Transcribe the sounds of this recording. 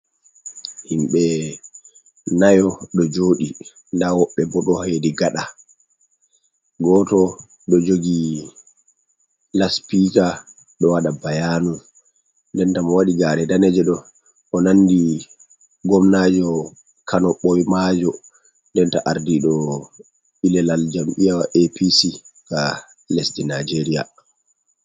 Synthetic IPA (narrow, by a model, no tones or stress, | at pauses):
himɓɛ | najɔɗɔd͡ʒoːɗi | ndawɔɓːɛbɔɗɔhajdiɡaɗa | ɡɔtɔ | ɗɔd͡ʒoɡi | laspiːta | ɗɔwaɗabajanu | ndɛntamɔwaɗiɡaɾɛdanɛd͡ʒɛɗɔ | ʔɔnandi | ɡɔmnad͡ʒɔ | kʰanɔɓɔjmad͡ʒɔ | ndɛntaʔaɾdiɗɔ | ilɛlald͡ʒamʔijawaʔepisika | lesdinad͡ʒeɾija̰